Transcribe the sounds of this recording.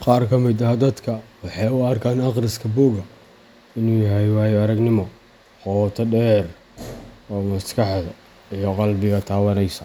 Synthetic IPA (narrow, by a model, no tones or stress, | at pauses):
qɑːrkʰɐmɪd̪ɐɦd̪ɐd̪kʰɐwɑħɑjʊɐrkʰaːnɑqrɪskʰɐbuːɡɐ | ɪnuːjɐɦɛjwaːjɐɾɐɡnɪmɔ | qɔːt̪ʰɐɖɛːr | ɔːmɐskʰɑħdɐ | ijɔqɑlbɪɣɐt̪ʰaːwɐnɛjsɐ